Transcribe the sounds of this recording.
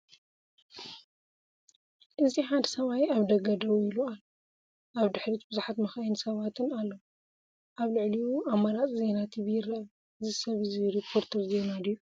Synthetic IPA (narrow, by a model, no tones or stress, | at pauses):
ʔɨziħand̪sɐβajaβd̪ɐɡɐd̪ɐwilualo | ʔaβd̪ɨħɾit̪bɨzuħat̪mɐxɐjnsɐβat̪ʰɨnalːo | ʔaβlɨʕliwuamːɐɾat͡sʼze̞nat̪ʰiβjɪɾɐʔɐ | ɨzisɐβɨziɾipʰːo̞ɾt̪ʰɐɾzenad̪iju